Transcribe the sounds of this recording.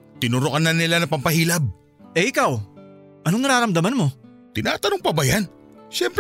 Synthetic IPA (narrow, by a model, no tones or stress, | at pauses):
t̪ɪnʊɾokɐnɐnɪlanɐŋpɐmpɐhiːlɐb̚ | ʔɛʔɪkaw | ʔɐnoŋɐɾaːɾɐmd̪ɐmanmo̞ | t̪ɪna̰ːt̪ɐnoŋpɐbajan | ʃɛmpɾ